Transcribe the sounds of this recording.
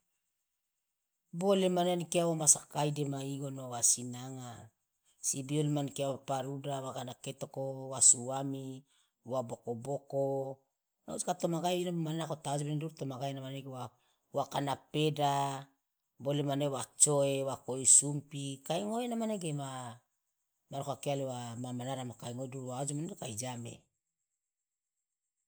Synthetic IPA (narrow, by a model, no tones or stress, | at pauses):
bolemanankeawamasakajdemaiɡonoawasinaŋa | sibiolemankeawapaɾudawakanaketokowasuami | wabokoboko | na̰uskatomaɡajinamanakotad͡ʒbeneduɾtomaɡajnamaneɡewa | wakanapeda | bolemanewat͡ʃoewakoisumpikajŋoenamaneɡema | maɾkoakealewamamanaɾamakajŋoduɾwaod͡ʒmanekajd͡ʒamḛ